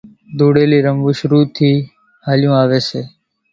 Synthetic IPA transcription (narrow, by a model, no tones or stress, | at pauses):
d̪uːɽeːliːɾəmbuːʃɾuːt̪ʰːiː | haːljũːaːʋeːseː